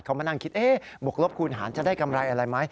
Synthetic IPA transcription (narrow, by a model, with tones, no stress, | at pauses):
jkʰa˦˥wmaː˧na˧ŋkʰi˦˥t̪̚ʔeː˧˥˩bo˨˩k̚lo˦˥p̚kʰuː˧nɦa̰ː˩˦nt͡ɕa˨˩daː˥˩jka˧mɾa˧jʔa˧ɾa˧jma˦˥j